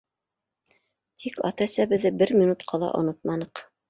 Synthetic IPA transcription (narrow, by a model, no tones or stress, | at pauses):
t̪ʰikɑ̰t̪ɑsæbɘ̆ðːɘbɘɾmʲinut̪qʰɑlˠɑ̰ʔŏ̰not̪̚mɑnɤq